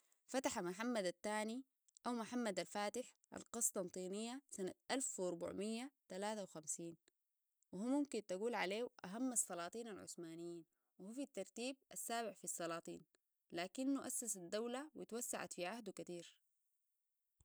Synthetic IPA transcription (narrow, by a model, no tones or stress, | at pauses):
fat̪aħamaħamːad̪at̪ːaːni | ʔawmaħamːad̪alfaːt̪ɪħ | ʔa̰lqɑsˤt̪ˤɑnt̪ˤiːnijːasanaʔalfwɑɾbṵʕmijːat̪alaːt̪awxamsiːn | wihumːumkint̪aɡuːlʕaleːwʔaɦamːɑsˤːɑlɑːt̪ˤiːnalʕʊ̰smaːnijːiːn | wihuːfit̪ːɑɾˤt̪iːb̚ʔasːaːbɪʕfisˤːɑlɑːt̪ˤḭːn | laːkinːuʔasːasad̪ːawlawit̪wasːa̰ʕa̰t̪fiʕahd̪ukat̪iːɾ